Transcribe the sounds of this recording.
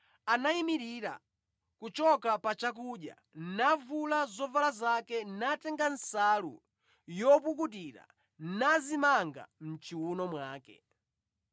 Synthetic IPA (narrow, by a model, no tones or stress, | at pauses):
anaimiɾiɾa̰ | kut͡ʃɔkapat͡ʃak̬uɗja̰ | navulazɔvalazakɛnatɛŋɡan̩salṵ | jɔpuk̬utiɾa̰ | nazimaŋɡa̰m̩t͡ʃiwunɔmwaːkɛ̰